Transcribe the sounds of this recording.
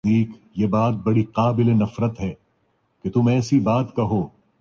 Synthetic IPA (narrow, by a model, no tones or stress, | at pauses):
iːkjebaːt̪̚bɐɽiqaːbɪlenɐfɾət̪ɦɛː | ket̪ʊmɛːsibaːt̪kɐɦoː